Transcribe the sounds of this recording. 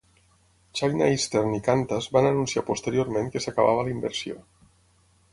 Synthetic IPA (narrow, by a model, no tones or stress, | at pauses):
t͡ʃajnaist̪eɾnikant̪azbananunsia̰post̪əɾioɾmeŋkəsakaβa̰β̞əlimbəɾsio̰